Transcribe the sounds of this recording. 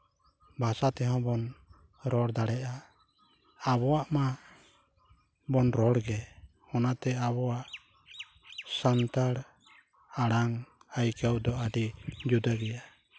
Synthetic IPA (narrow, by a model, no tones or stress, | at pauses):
bʱasat̪ɛɦɔ̃bɔn | ɾɔɽd̪aɽɛʔa | abɔwaʔma | bɔnɾɔɽɡɛ | ɔnat̪ɛabɔwaʔ | sant̪aɽ | aɽaŋ | ajkawd̪ɔaɖid͡ʒud̪aɡɛja